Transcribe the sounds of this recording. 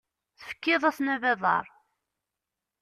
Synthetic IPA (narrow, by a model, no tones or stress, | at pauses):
θə̥fə̥kːɪðˤæsnævæðˤɑ̰ɾˤ